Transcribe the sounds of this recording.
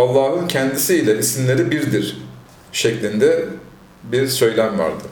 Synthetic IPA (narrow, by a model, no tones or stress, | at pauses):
alˠːaːɦɯncʰɛnd̪isiːlʲɛisinlʲe̞ɾibiɾd̪iɾ | ʃɛclʲind̪ɛ | biɾsø̞jlʲæmva̰ɾd̪ɯ